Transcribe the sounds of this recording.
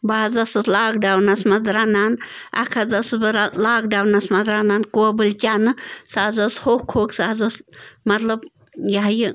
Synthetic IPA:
baːzɐsɨslaːkɖawnɐsmɐzɾanan | ɐ̰kʰɐzɐsɨbɨɾalaːkɖawnɐsmɐzɾanankuɐbɨlʲt͡ʃʲaːnɨsaːzɐshoːhkʰoːksazɐsmɐt̪lɐb | jɐɦji

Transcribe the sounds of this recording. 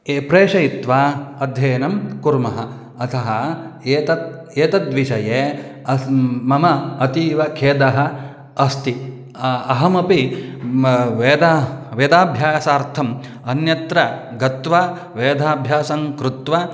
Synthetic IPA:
eːpɾeːʂɐjit̪ʋaːɐd̪ʱjɐːnɐmkuɾmɐɦɐ | ɐt̪ʰɐɦɐeːt̪ɐt̪̚ | eːt̪ɐt̪ʋiʃɐjeː | ɐmɐmɐɐt̪iːʋɐkʰeːd̪ɐɦɐ̆ | ɐst̪i | ɐɦɐmɐpi | ʋeːd̪aʋeːd̪aːbʱjaːsaːɾt̪ʰɐm | ɐnjɐt̪ɾɐɡɐt̪ʋa | ʋeːd̪ʱaːbʱjaːsɐŋkɾut̪ʋɐ

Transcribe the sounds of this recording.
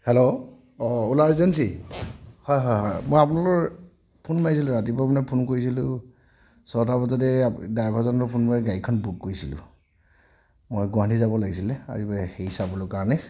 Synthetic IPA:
hɛlo | ɔulaɹzɛns̬i | hɔjɦɔɦɔjmojapʊnalɔɹ | pʰunmajs̬ilʊɹatibapɔnapʰunkoɹis̬ilʊ | sɔtabɔzɔdɛdajbʰʱɔzɔnɔɹpʰunmaɹɛɡajikʰɔnbut̚koɹisḭlʊ̰ | mojɡʊwãntʰizabɔlaɡisilɛa̰ɹibajhejsabɔlʊkaɹɔnɛ

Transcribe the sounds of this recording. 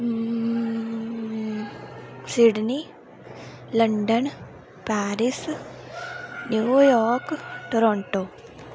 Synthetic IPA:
siɖni | lɐɳɖɐn | paːɾis | njuːjɔːɾkʈoɾoɳʈo

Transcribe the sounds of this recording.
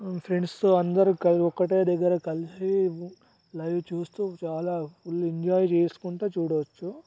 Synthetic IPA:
pʰɾeɳɖst̪oːɐnd̪ɐɾikɐɔkːɐʈeːd̪ɐɡːɐɾɐkɐlisi | lɐjʋt͡ʃuːst̪uːt͡ʃaːlaːfulːeɲd͡ʒaːjt͡ʃeːsu̥kuɳʈuːt͡ʃuːɽɐt͡ʃːu

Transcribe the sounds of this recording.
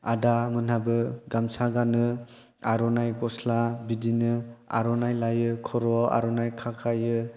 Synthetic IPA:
adamɯnhabɯɡamsaɡanɯ | aɾɔnajɡɔslabidinɯa̰ɾɔnajlajɯkʰɔɾɔa̰ɾɔnajkʰakʰajɯ

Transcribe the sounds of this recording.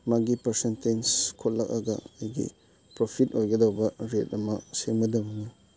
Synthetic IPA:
maɡipɐɾsentenskʰot̚lak̚aɡɐ̰ejɡḭ | pɾopʰit̚ojɡɐdawbɐɾet̚ɐmɐsemɐdamɐna

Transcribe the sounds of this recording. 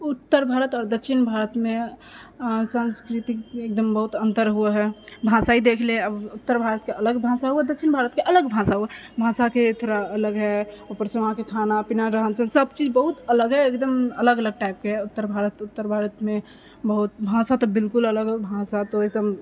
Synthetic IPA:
ut̪ːəɾbʱaɾət̪ɔːɾd̪əkʃʰinbʱaɾət̪me | sə̃nskɾit̪ikek̚d̪əmbəɦut̪ənt̪əɾɦueɦɛbʱãsaid̪ekʰleəbut̪ːəɾbʱaɾət̪keələɡbʱãsaɦuɛd̪əkːʃʰinbʱaɾət̪keʔələɡbʱãsaɦuɛbʱãsaket̪ʰoɾaələɡɦɛopəɾsə̃ʋãkekʰanapinaɾəɦənsə̃səbt͡ʃid͡ʒbəɦut̪ələɡɦɛekd̪əmələɡələɡ̚ʈaɪp̚keut̪ːəɾbʱaɾət̪ut̪ːəɾbʱaɾət̪me | bəɦut̪bʱãsat̪ɔbɪlkulələɡbʱãsat̪ɔek̚d̪əm

